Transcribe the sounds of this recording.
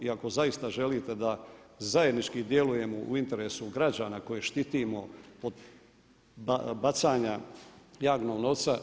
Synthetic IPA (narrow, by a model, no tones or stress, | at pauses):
iako̞zaist̪aʒe̞liːt̪e̞d̪azaje̞d̪nit͡ʃkid̪je̞luje̞moʔṵint̪e̞ɾeːsuɡɾad͡ʑaːnako̞jeʃt̪it̪iːmo̞od̪ | babat̪saːɲajaːɡnoːɡno̞t̪sa